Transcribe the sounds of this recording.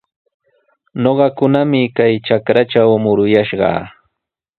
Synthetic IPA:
noɢɑkʊnamɪkajt͡ʃakɾat͡ʃawmʊɾʊjaʃɢɑ̰ː

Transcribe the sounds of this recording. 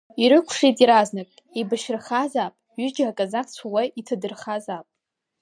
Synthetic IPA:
iɾɨkʷʰʂijtʼiɾaznakʼibaʃɪrχazapʼɥʏd͡ʒakʼazat͡sʰuwajitʰadɨrχazapʼ

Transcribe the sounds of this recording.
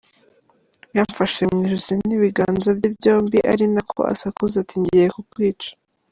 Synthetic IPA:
jaɱfaʃe̞mŋiːʒuziniβiɡaːnzabibjo̞ːmbiʔaɾinakʰo̞̰a̰sakuzatiɲɟijekukwiːt͡ʃḁ

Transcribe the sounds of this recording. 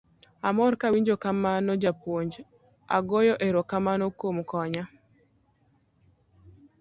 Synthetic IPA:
amɔɾkawiɲd͡ʒokamanɔd͡ʒapwoɲd͡ʒ | a̰ɡojɔʔeɾokamanokomkɔɲa

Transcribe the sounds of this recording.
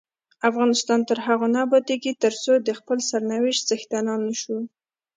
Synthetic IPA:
afɣɑnɪst̪ɑnt̪əɾɦaɣonɑbɑt̪eɡit̪əɾt͡sod̪əxpəlsaɾnawɪʃt̪z̥əxt̪anɑnːəʃu

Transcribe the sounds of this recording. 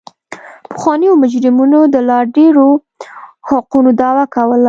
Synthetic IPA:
pə̥xwɑnəjomʊd͡ʒɾɪmunod̪əlɑɾɖeɾo | haqunod̪ɑwakawəl

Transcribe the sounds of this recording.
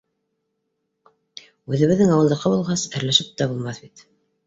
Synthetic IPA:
ʉðɘ̆βɘ̆ðːɘŋɑwɤlˠd̪ɤ̆qɤbulˠʁɑsɘ̆ɾlæʃɘp̚t̪æbulˠmɑθbit̪

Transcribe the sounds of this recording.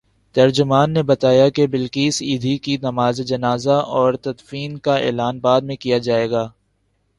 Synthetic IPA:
t̪ɐɾd͡ʒʊmaːnːebɐt̪aːjakebɪlkiːsiːd̪ʱikinɐmaːzed͡ʒɐnaːzaɔːɾt̪ɐd̪fiːnkaḛːlaːnbaːd̪̚mẽkijad͡ʒaːeːɡaː

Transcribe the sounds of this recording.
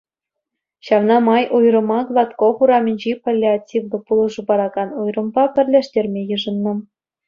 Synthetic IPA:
ɕɑʋnɑmɑjʔujrɤ̆mɑɡlˠɑt̪koχuɾɑmʲĭnʲd͡ʑipolʲːeatʲivd̪ɤ̆pulˠɤ̆ʐɤ̆bɑɾɑɡɑnujrɤ̆mbɑpʲɘ̆rʲlʲeʂtʲerʲmʲejɯʐɤ̆nːɤ̆

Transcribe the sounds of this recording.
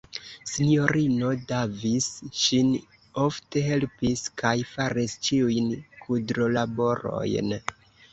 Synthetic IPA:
sinijo̞ɾino̞davisʃin | o̞fte̞ɦe̞lpiskʰajfaɾist͡ʃiujnkʰudɾolabo̞ɾo̞̰jn

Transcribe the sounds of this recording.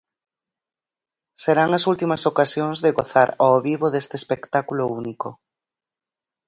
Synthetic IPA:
seɾaŋɐsult̪imɐsokasjoŋzðeɣoθaɾooβiβoðest̪espekt̪akulouniko

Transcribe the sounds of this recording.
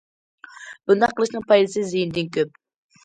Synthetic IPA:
b̥und̪ɑqʰːəlˠɨʃnɨŋpʰɑjd̪ɨsɨzɪjind̪ɪnkʲʰøp̚

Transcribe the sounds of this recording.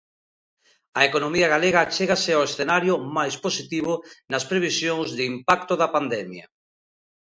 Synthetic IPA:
ɐekonomiaɣ̞aleɣaːt͡ʃeɣaseawesθenaɾjomajsposit̪iβonaspɾeβ̞isjoŋzðɪimpakt̪oðapand̪ɛmja

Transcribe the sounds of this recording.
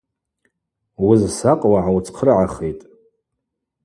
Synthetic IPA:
wizsaqʼwaʕawt͡sʰʼqʰrʕaχejtʼ

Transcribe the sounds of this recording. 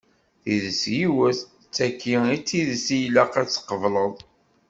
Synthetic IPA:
θiðəsjiwəθ | t͡sːækːiit͡sːiðəsijlæqæt͡sːə̥qːəvləðˤ

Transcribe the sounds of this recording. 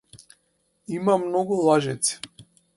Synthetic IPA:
imamnɔɡulˠaʒɛt̪si̥

